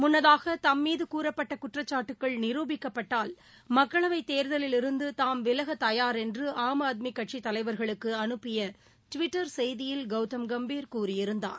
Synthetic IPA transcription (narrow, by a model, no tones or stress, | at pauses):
mʊnːɐðaːɣɐt̪ɐmːiːðɯkuːɾɐpːɐʈːɐkʊʈrɐt͡ʃːaːʈːɯkːɐɭnɪɾuːbɪkːɐpːɐʈːaːl | mɐkːɐɭɐʋɐɪt̪eːɾðɐlɪlɪɾɯnd̪ɯt̪aːmʋɪlɐɣɐt̪ɐjaːɾɛndrɯʔaːmaːt̪̬̚mɪkːɐʈ̚t͡ʃit̪ːɐlɐɪʋɐɾɣɐɭɯkːɯɐnɯpːɪjɐ | ʈʊʋɪʈːɐɾsɛjðɪjɪlɡɐʊt̪ːɐmɡɐmbiːɾkuːrɪjɪɾɯnd̪a̰ːn